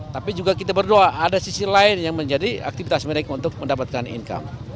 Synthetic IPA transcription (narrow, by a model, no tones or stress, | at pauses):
t̪apid͡ʒuɡakit̪abərdoaʔadasisilaɪnjaŋməɲd͡ʒadia̰k̚t̪ifit̪asməɾekaunt̪ʊk̚məndapat̪̚kanḭnka̰m